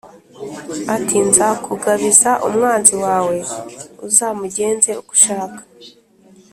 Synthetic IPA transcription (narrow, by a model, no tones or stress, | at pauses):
atinzakuɡaβizaʔṵmŋaːnziwaːwe̞uzaːmuɟe̞ːnze̞uɡu̥ʃaːkḁ